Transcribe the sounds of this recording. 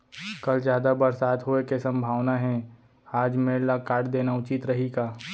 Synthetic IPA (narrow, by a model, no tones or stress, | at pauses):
kɐlzd͡ʒjaːd̪abɐɾsaːd̪ɦoekesɐ̃mbʱaːʋnaɦɛ̃ | aːd͡ʒmeːɽlakaːʈd̪eːnaʊt͡ʃit̪ɾɐɦiɡaː